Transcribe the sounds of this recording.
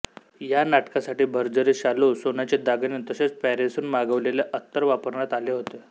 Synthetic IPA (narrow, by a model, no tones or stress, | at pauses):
janaʈkasaʈiːbʱəɾd͡zəɾeɕalosonat͡ɕed̪aɡnint̪əset͡spɛɾesuːnmaɡəʋlelaʔət̪ːəɾʋapəɾɳat̪aleɦot̪e